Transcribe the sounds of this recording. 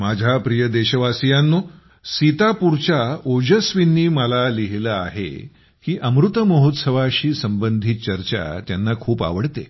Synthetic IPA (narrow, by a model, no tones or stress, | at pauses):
mad͡ʑʱapɾijəd̪eɕəʋasijanːo | sit̪apuɾt͡ɕaod͡ʑəsʋinːiːməlaliɦləa̰ɦḛ | kiːʔəmɾut̪əməɦot̪səʋaɕiːsəmbənd̪ʱit̪̚t͡ɕəɾt͡ɕa̰t̪janːakʰuːpa̰ʋəɽt̪ḛ